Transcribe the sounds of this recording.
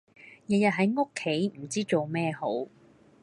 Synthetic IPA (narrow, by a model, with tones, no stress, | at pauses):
jɐ˨jɐ˨t̚ɦɐ˨˥jŋo˥kʰːe˨˥jm̩˨˩t͡siː˥t͡so˨wmɛː˥˧ho˨˥w